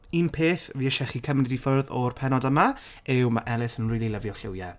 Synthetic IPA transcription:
inpʰeːθviəʃɛχikʰəmnɪdifʊrðɔrpʰɛnɔdəma | ɪwmaʔɛlˠɪsənriːlˠilˠəvjɔlˠɬɪwjɛ

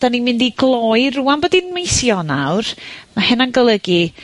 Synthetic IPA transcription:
d̥animɪndiɡlˠɔjruanbɔdinmejsjɔna̰wrmahɛnanɡəlˠəɡi

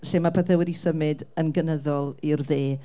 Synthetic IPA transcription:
ɬeːmapʰɛθɛwɪɾisəmɨdənɡənəðɔlˠirðeː

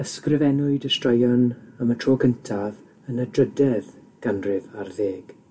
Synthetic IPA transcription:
əskrɪvɛnʊɨdəstrajɔnamətʰroːɡəntʰað | ənədrədɛðɡ̥anrɪvarðeːɡ̥

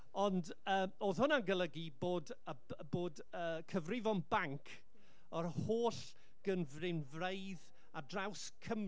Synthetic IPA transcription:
ɔnd | əːoːðhʊnaɡəlˠəɡiboːd | ə | boːd | əːkʰəvrɪvɔnbaŋkʰ | ɔɾhoːɬ | ɡ̥ənvrɪnvreɨð | adrawskʰəm

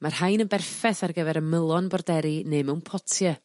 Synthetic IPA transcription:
marhajnənbɛrfɛθarɡəvɛɾənməlˠɔnbɔrdɛɾineːmɛwnpʰɔtʰjə

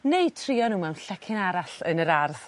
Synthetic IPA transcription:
nej̚tʰriɔnuːmawnɬɛkʰɪnaɾaɬənəɾarθ

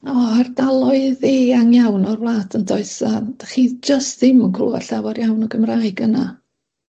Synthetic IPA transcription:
ɔardalˠɔɨðeaŋjawnɔrvlˠaːtʰəndɔɨsad̥aχid͡ʒəstðɪmənkʰrṵːa̰ɬawarjawnɔɡəmrajɡəna

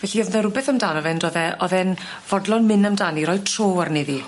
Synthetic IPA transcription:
v̥ɛɬiɔðɛɾʊbɛθəmdaːnɔvɛndɔðɛʔɔðɛn | v̥ɔdlˠɔnmɪnəmdaːniɾɔjd̚tʰroːarneði

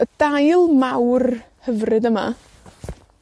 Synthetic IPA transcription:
əd̥ajlˠmawr | həvrɨdəma̰

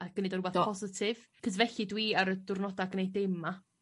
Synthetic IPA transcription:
aɡ̥ənedɔɾubaθpʰɔzɪtʰɪvkʰəzvɛɬɪdwiːaɾədʊrnɔdaɡənejd̚ema

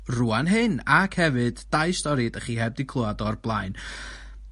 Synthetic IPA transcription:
ruanɦɨnakʰhɛvɨd̥ːajstɔɾidəχiːhɛb̚dɪkʰlˠʊadɔrblˠajn

